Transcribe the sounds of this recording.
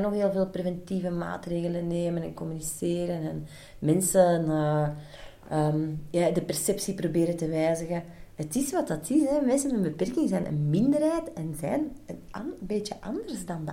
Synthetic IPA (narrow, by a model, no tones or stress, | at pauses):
noxɦeːlˠveːlˠprevɛntivəma̰ːtreːɣələnːeːmənɛ̰nkɔmyniseːɾənɛn | mɛnsənə | əːmjaːdəpɛrsɛpsiprobeːɾəntəʋɛːzəɣəɦətɪsʋɑt̚dɑtʰɪsɛmɛnsənənbəpɛrkɪŋzɛnʔə̰nmɪndərɦɛːtɛnzɛ̰ːnənɑbeːtjəʔɑndərzdɑnd